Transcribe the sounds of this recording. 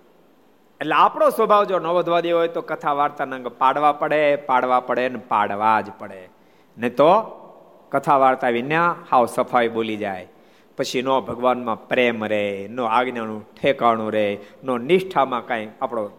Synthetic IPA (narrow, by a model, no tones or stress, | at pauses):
eʈleapɽ̃osʋəbʱaʋd͡ʒonəʋəd̪ʱʋad̪eɦojt̪okət̪ʰaʋaɾt̪anãŋɡpaɽʋapəɽepaɽʋapəɽenɛpaɽʋad͡ʒpəɽe | nɛt̪o | kət̪ʰaʋaɾt̪aʋinjãhaʋsəpʰajɓolid͡ʒaj | pət͡ʃʰinobʱəɡʋanmãpɾemɾeɦenoaɡnanũʈʰekaɳ̃ũɾenonɪʃʈʰamãkãĩkapɽ̃o